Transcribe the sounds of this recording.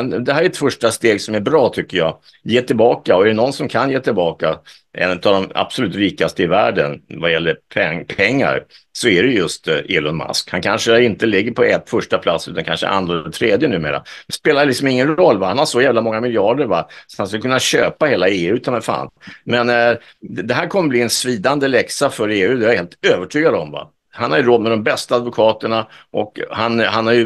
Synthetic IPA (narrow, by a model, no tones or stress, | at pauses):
nd̪ɛhæːɾæɛt̪fœʂʈast̪eːɡsɔmæɾbɾɑːt̪ʰʏkːəjɑː | jeːt̪ʰɪlbɑːkaɔæɖɛnɔnsɔmkʰanjeːt̪ʰɪlbɑːka | ɛ̰nɛt̪avd̪ɔma̰b̥sɔlʉːt̪ɾiːkast̪əɪvæːɖənvajɛlːəɾpʰɛpʰɛŋːa̰ɾ | sɔæɾɛjjɵst̪eːlɔnma̰skhankʰanʂəɪnt̪əlɪɡːəɾpʰɔɛt̪ːfœʂʈapʰlat̪sːʉ̰t̪ankʰa̰nʂə̰ʔa̰nd̪ɾadɛt̪ʰɾeːd̪jənʉ̟ːmḛːɾa̰mɛspeːlaɾəlɪksɔmɪŋːənɾɔlːvahanhaʂɔjæːvlamɔŋːamɪljɑːɖəɾva̰sɔ̥at̪hanskɵlːəkʰɵnːaɕø̰ːpaheːlaeːʉ̟ːt̪ʰamɛfa̰ːnmɛn | d̪ɛɦæːɾkʰɔmːəbliːɛnsviːd̪and̪əlɛksafœɾeːʉ̟ːd̪ɛjajheːlt̪øːvəʈʰyːɡad̪ɔmva̰ | hanhaɾjɵɾoːd̪mɛd̪ɔmbɛst̪aːd̪vʊkʰɑːt̪əɳaʔɔkhanhanhaɾjɵ